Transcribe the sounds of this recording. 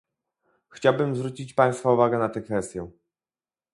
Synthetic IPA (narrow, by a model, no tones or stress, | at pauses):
xt͡ɕawbɘmzvɾut͡ɕit͡ɕpaj̃st̪fauvaɡɛnat̪ɛkfɛst̪ʲjɛ